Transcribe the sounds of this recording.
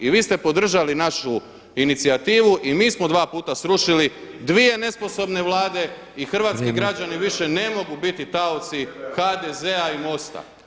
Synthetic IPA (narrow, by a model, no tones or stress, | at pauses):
iʋiːst̪e̞po̞d̪r̩ʒalinaʃu | init̪siat̪iːʋuʔimiːsmo̞d̪ʋaːpuːt̪asɾuʃilid̪ʋie̞ne̞spo̞so̞bne̞ʋlˠaːd̪e̞ | ixr̩ʋaːt̪kiɡɾad͡ʑaniʋiʃe̞ne̞mo̞ɡubit̪it̪aot̪sixad̪ezeaimo̞st̪a̰